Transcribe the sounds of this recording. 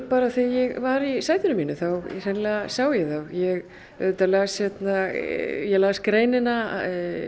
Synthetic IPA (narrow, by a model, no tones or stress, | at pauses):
paːɾaθijɛɣvaɾisaːjðʏnʏmiːnʏθawsɛnlɛɣasaːwjɛɣθawjɛɣ | œ̰t̪alaːsçɛt̪najɛɣlaːskɾeːjnɪna̰